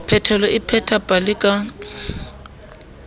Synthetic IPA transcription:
pʰɛtʰɛlɔʔɪpʰɛtʰapʼalɪkʼa

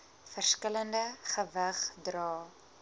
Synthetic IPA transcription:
fərskələndəχəvəχdrɑː

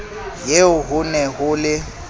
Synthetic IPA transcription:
jeʊɦʊnɛɦʊlɪ

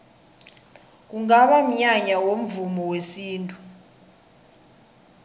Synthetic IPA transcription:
k̬uŋaɓam̩ɲaɲawom̩vumɔwesiːntʼu

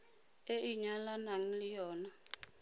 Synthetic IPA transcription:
eʔiɲalanaŋ̩lijɔːna

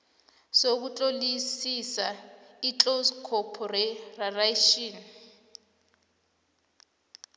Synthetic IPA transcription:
sok̬ut͡ɬʼolisisait͡ɬʼoskʰɔpʰɔrɛraraʃiːn

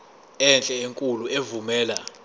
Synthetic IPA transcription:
ɛnt͡ɬʼɛeŋkʼuluevumɛːla

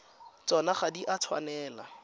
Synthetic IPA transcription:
t͡sɔnaχadiʔat͡sʰwa̰nɛːla̰

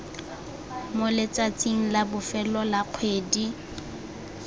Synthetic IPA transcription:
molɪt͡sʼat͡sʼiŋ̩labʊfɛlɔlaq͡χʰweːdi

